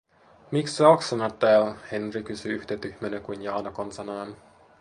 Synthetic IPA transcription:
miksseoksɑnot̪ːæːlhenrikysyyht̪et̪yhmenekuinjɑːnokonsɑnɑːn

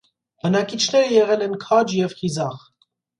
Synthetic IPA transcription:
b̥ənɑkit͡ʃʰnɛɾəjɛʁɛlɛnkʰɑd͡ʒjɛvhizɑχ

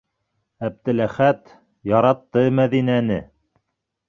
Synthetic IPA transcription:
æb̚d̪ɘ̆læχæt̪ | jɑɾɑt̪ːɤmæðinænɘ

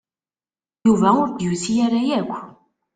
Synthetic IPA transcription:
juvæʊɾd̪juθijæɾajækʷː

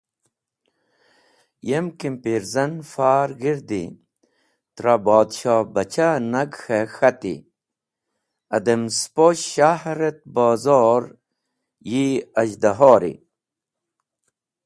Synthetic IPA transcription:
jemkimpiɾzɐnfaːɾɡiɾd̪ḭ | t̪ɾabɑːd̪ɕɑːbɐt͡ɕʰanɐɡxexɐt̪ḭ | ɐd̪emspoɕɕahɾet̪̚bɑːzoːɾ | jiɐʑd̪aɦoːɾḭ

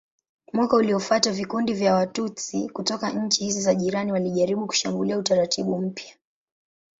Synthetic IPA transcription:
mwakauliɔfatavikundivjawatut͡sḭkutɔkaɲ̩t͡ʃihizizaʄiɾaniwaliʄaɾiɓuku̥ʃambuliautaɾatiɓum̩pja

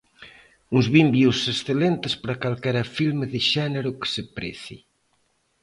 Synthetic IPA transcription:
uŋzβimbjusesθelent̪ɪspaɾɐkalkɛɾɐfilmeðɪʃɛneɾʊkɪ̥sepɾɛ̰θḭ

